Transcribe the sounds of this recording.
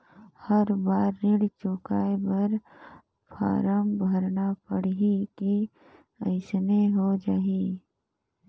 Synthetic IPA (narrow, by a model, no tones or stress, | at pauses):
həɾbaːɾːɪɽt͡ʃʊkaːebəɾ | pʰa̰ːɾəmbʱəɾnapəɽɦiki | əɪsneɦod͡ʒaːi